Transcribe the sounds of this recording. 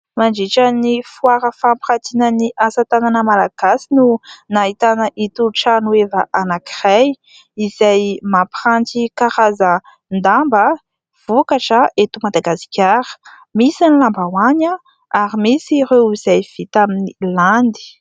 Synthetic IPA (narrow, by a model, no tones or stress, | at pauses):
maɳd͡ʒiʈ͡ʂənifwaɾəfampiχat̪inəniʔasat̪ananəmalaɡ̥asinunaɦit̪anəʔit̪uʈ͡ʂanuevəʔanaki̥raj | izajmapχantikaɾazə | nd̪ambə | v̥ukaʈ͡ʂəet̪umad̪aɡasi̥kʲaɾə̥ | misanilambawaɲa | aɾimisireiz̥ajv̥it̪aminiland̪i̥